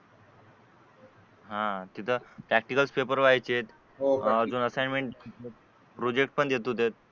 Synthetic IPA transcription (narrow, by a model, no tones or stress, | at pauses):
ɦãt̪it̪ʰəpɾæk̚ʈikəlspepəɾʋajt͡ɕet̪ | od͡zonəsajnmeɳʈet̪̚ | pɾod͡ʑekʈ̚pəɳd̪jet̪ot̪et̪̚